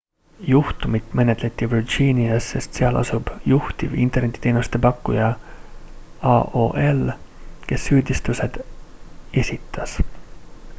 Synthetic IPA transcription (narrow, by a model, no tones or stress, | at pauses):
juht̪umit̪ːˑme̞net̪let̪ʲːˑivird͡ʒiːniɑsːe̞st̪seɑlʔɑ̰sub̥juht̪ivḭnt̪ernet̪ːˑi̥t̪eːnust̪e̞pɑkːujɑ | ɑʔo̰ːʔelke̞sːyːd̪̥ist̪use̞d̪̥ | e̞sʲit̪ːˑɑs